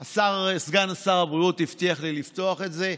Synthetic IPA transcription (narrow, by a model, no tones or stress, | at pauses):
asaʁsɡanasaʁabʁiut̪ːift̪iaχlilift̪oaχe̞tze̞